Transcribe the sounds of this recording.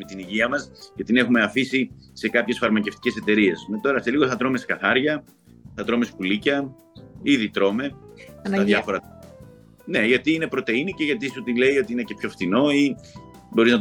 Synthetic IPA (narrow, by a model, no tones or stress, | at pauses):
met̪iniʝiɐmɐskɐt̪ine̞xume̞ɐfisi | se̞kɐpçe̞sfɐɾmɐceft̪i̥ce̞se̞t̪e̞ɾie̞smet̪o̞ɾɐse̞liɣo̞θɐt̪ɾo̞me̞skɐθɐɾʝɐ | θɐt̪ɾo̞me̞spulicɐ | iðit̪ɾo̞me̞ɐðʝɐfoɾɐ | ne̞ʝɐt̪iine̞pɾo̞t̪e̞iniceʝɐt̪isut̪ile̞io̞t̪iine̞ce̞pço̞ft̪ino̞i | bo̞ɾiznɐt